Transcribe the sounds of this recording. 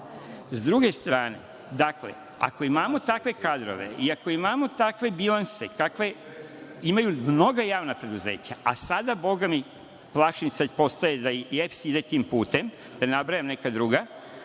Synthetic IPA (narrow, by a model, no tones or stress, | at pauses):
zd̪ɾuɡe̞st̪ɾaːne̞̰ | d̪akle̞̰ | a̰ko̞imaːmo̞t̪akʋe̞kaːd̪ɾo̞̰ʋḛiako̞imamo̞t̪akʋe̞bilanse̞kakʋe̞ | imajumno̞ɡajaːʋnapɾe̞d̪uze̞ːt͡ɕaʔasad̪abo̞ɡami | plˠaːʃinsad̪po̞st̪ajed̪aefsid̪et̪iːmpuːt̪e̞m | d̪̥anabɾajamne̞kad̪ɾuɡa